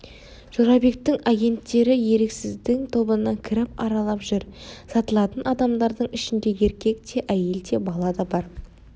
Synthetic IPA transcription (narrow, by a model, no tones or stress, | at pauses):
ʒ̥oɾɑbe̞k̚t̪ːɪŋɑɡʲe̞nt̪ːe̞ɾɪje̞ɾe̞ksɪzd̪ɪŋt̪ʰo̞bənːɑŋkʲʰɪɾɪpɑɾɑlˠɑpʒ̥ʏɾsɑt̪əlˠɑt̪ənɑd̪ɑmd̪ɑɾd̪əɴɪʃɪnd̪e̞je̞ɾkʲe̞k̚t̪ʰe̞ʔæje̞lt̪ʰe̞bɑlˠɑd̪ɑbɑɾ